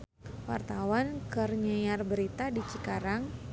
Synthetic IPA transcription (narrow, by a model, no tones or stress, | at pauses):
wa̰rt̪awankərɲəjarbəɾit̪adit͡ʃikaɾaŋ